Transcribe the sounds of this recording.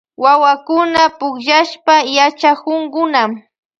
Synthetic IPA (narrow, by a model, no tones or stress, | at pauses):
wawakʊnapʊkʒaʃpajat͡ʃakʊŋkʊnam